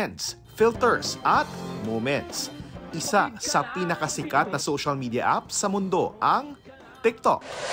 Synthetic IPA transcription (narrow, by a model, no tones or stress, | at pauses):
ɛnd̪s | filt̪ɛɹsʔɐt̪̚momɛnt̪sʔɪsasɐpinɐkɐsɪkat̪̚nɐsoʃɐlmiːd̪jɐ̰ʔa̰p̚sɐmʊnd̪o̞ʔɐŋ | t̪ɪk̚t̪o̰k̚